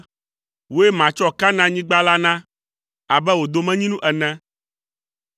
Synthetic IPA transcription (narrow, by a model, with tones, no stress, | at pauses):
wo˦e˦mã˨t͡ʃɔ˦ka˦nã˦ɲĩ˦ɡ͡ba˦la˦nã˦ | a˨bɛ˦wo˨d̪o˦mɛ̃˦ɲĩ˦nũ˦ʔɛ˨nɛ̃˦